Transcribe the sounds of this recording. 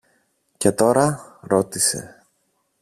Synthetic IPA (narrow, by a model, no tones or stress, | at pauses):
ce̞t̪o̞ɾɐɾo̞t̪ise̞̰